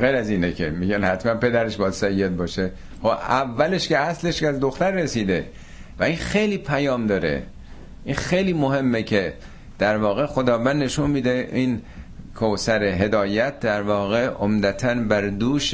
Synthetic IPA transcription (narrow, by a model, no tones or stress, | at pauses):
ɣejɾæziːnekʰemiːɟænhæt̪mænpe̞d̪æɾeʃbɒːd̪sæijːet̪̚bɒːʃe | xoævːæle̞ʃkeæsleʃkæzd̪oxt̪æɾːesiːd̪e | væinxe̞jliːpʰæjɒːmd̪ɒːɾḛ | ʔinxejliːmohe̞mːekʰe | d̪̥æɾvɒːɣe̞xod̪ɒːvænd̪ne̞ʃunmiːd̪eʔin | kʰosæɾeɦe̞d̪ɒːjæt̪̚d̪æɾvɒːɣeʔomd̪æt̪ʰænbæɾd̪uːʃ